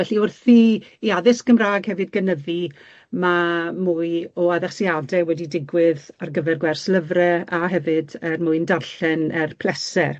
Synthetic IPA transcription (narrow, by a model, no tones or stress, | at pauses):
ɛɬiʊrθiiaðɪsɡəmraːɡhɛvɨdɡənəði | mamuːɨɔaðɛχsjadɛwɛdidɪɡwɪðarɡəvɛrɡwɛrsləvrɛaɦɛvɨdɛrmʊɨndarɬɛnɛrpʰl̥ˠɛsɛr